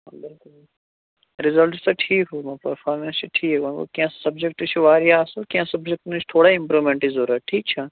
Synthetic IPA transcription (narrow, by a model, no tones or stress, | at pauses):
bɪlkʊl | ɾɪzəlʈt̪ɐʈʰiːkɦuːmɐ̃pɐɾfaːɾmẽnst͡ʃʰiʈʰiːkʋɐno̰kiãssɐbd͡ʒek̚ʈt͡ʃʰiʋaːɾijaːsukiãsɐbd͡ʒek̚ʈnũt͡ʃʰt̪ʰoːɽaɪ̃mpɾuːʋmẽɳʈizoːɾaʈʰiːk̚t͡ʃʰa